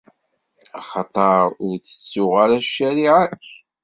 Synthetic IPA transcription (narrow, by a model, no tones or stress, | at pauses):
ɑχɑt̪ˤɑɾˤʊɾθə̥t͡sːʊʁaɾæʃːæɾiʕæç